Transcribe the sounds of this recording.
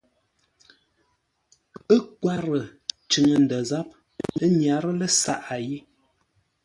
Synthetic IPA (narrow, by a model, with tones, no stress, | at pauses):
ə˦kwa˦ɾə˨ | t͡ʃʉ˨ŋə˨n̩˨də˨za˦p̚ | ə˦ɲja˨˦ɾə˦lə˦sa̰˦ʔa˨ji˦